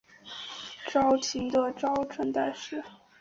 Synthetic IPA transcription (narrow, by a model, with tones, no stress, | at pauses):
ʈ͡ʂɑ˥ʊt͡ɕʰi˧˥ŋd̪ə˧ʈ͡ʂɑ˥ʊʈ͡ʂʰwə˧˥nt̪a˥˧ɪʂɻ̩˥˩